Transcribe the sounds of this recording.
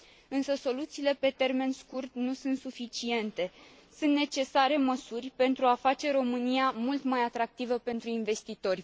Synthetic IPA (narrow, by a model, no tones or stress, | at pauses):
ɨnsəso̞lut̪siːle̞pe̞t̪e̞rme̞nskurt̪nusunt̪sufit͡ʃie̞nt̪e̞ | sunt̪ne̞t͡ʃe̞saɾe̞məsurʲpe̞nt̪ɾuafat͡ʃe̞ɾo̞mɨnijamult̪majat̪ɾak̚t̪ivəpe̞nt̪ɾuinve̞st̪it̪o̞rʲ